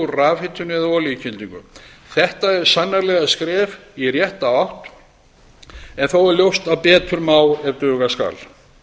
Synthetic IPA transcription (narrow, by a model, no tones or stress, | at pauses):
ʏɾraːvɪt̪ʰːʏnʏɛðaɔːlicʰɪnt̪iŋkʏ̰ | θɛht̪aɛɾ̥sanːaɾlɛɣaskɾɛːvirjɛht̪aawht̪ | ɛnθowɛɾljowst̪avpɛːt̪ʏɾmaːwɛvt̪œːɣaska̰l